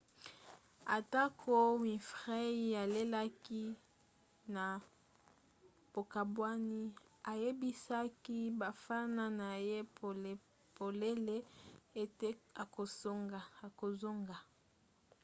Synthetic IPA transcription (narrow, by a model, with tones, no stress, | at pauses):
a˨ta˦kʰo˦mi˨fʁɛ˦i˦ja˨le˦la˦ki˦ | na˨ | bo˨ka˨bwa˦ni˦ | a˨je˦bi˦sa˦ki˦ba˨fa˦na˦na˨je˦˨ | po˨le˦le˦e˦˨te˦a˨ko˨so˦ŋɡa˨a˨ko˨zo˦ŋɡa˨